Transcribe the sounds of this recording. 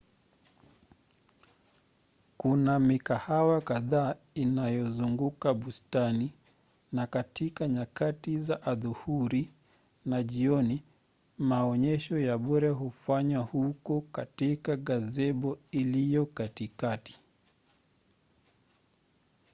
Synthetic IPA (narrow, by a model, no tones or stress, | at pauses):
kunamikahawakaðaːinajɔzuŋɡukaɓustani | nakatʰikaɲakatizaʔaðuhuɾi | naʄiɔni | maɔɲɛʃɔjaɓɔɾɛɦufaɲwahukɔkatikaɠazɛɓɔilijɔkatikati̥